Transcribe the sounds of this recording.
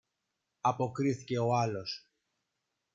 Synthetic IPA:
ɐpo̞kɾiθice̞o̞ɐlo̞s

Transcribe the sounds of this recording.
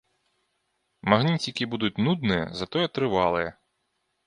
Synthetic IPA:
maɣnʲit͡sʲikʲibud̪ut͡sʲnud̪nɨjɛ̰zat̪ɔjɛt̪ɾɨvalˠɨjɛ

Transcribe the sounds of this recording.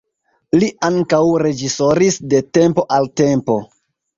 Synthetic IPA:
liʔaŋkawɾe̞d͡ʒiso̞ɾisde̞te̞mpo̞ʔalte̞mpo̞̰

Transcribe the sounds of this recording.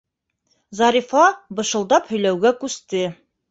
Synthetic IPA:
zɑɾifɑbɤ̆ʃɤ̆lˠd̪ɑphɵ̆jlæwɡækʉst̪ɘ

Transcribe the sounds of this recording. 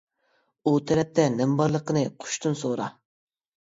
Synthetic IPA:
ut̪ʰɛɾɛp̚t̪ɛnɛmbɑɾlˠəqənɨqʰʊ̥ʃt̪ʰunsoɾɑ

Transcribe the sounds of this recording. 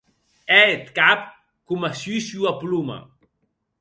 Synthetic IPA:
ɛet̪kap | kumasysuapluma̰

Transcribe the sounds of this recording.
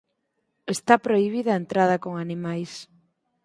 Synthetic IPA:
est̪apɾoiβ̞iðɐent̪ɾað̞ɐkoŋanimajs

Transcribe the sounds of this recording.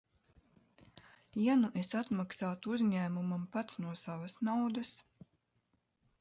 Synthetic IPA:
januʔesat̪maksaːt̪uuzʲɲæːmumampat̪snuɔsavasnawd̪as

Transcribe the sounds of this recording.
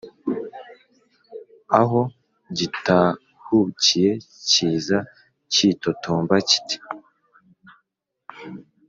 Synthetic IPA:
aɦo̞ | ɟita | hucije̞ciːza | cito̞tʰoːmbaci̥ti̥

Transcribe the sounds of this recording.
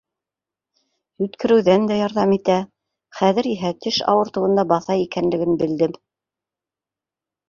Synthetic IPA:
jʉt̪kɘ̆ɾɘ̆wðænd̪æjɑɾðɑmit̪æ | χæðɘ̆ɾiɦæt̪ɘʃɑ̰wɤ̆ɾt̪ɤ̆wɤ̆nd̪ɑbɑθɑjikænlɘ̆ɡɘnbɘ̆ld̪ɘm

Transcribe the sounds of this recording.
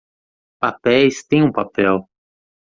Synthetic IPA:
papɛjst̪ẽj̃ũpapɛw

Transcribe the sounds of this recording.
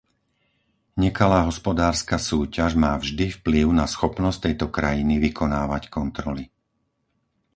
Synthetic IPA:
ɲɛkalaːɦɔspɔd̪aːɾskasuːcaʒmaːvʒd̪ifpliʊnasxɔpnɔs̚t̪ɛjt̪ɔkɾajiniʋikʰɔnaːʋackɔnt̪ɾɔli

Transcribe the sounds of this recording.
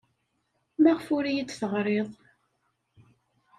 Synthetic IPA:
maʁfʊɾijid̪θəʁɾˤeðˤ

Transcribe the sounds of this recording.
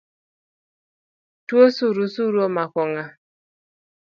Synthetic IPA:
tuosuɾusuɾuɔmakʷɔŋa

